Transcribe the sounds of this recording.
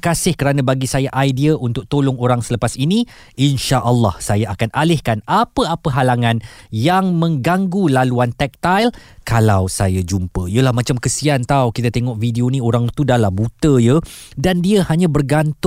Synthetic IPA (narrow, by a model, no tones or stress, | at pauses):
kasɪhkəɾanãbaɡisajaʔajdiaʔunt̪ʊk̚t̪olʊŋoɾaŋsələpasinĩ | ʔinʃaʔəlːɑ̰hsajaakanʔalɪhkanapəapəɦalaŋãnjaŋmə̃ŋɡaŋɡulaluant̪ɛk̚t̪ajlkalawsajad͡ʒumpəijəlahmãt͡ʃamkəsiant̪awkit̪at̪eŋɔʔfidionĩoɾaŋt̪udalambut̪əjədandiəhaɲãbərɡant̪